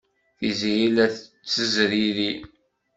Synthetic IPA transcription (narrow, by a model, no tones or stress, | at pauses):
θizijilæθə | t͡sːəzɾiɾi